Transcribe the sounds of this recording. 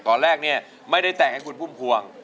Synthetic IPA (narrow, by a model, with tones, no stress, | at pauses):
t̪ɔː˧nɾɛː˥˩k̚ni˥˩ɐ | ma˥˩jda˥˩jt̪ɛ˨˩ŋha˥˩jkʰu˧npʰu˥˩mkʰu˧əŋ